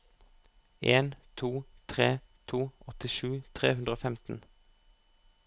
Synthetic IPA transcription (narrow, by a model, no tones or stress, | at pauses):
ʔeːnt̪ʰuːt̪ʰʁeːt̪ʰuːɔt̪ɪʃʉːt̪ʰʁeːhʉnd̪ʁəoːfɛmt̪n̩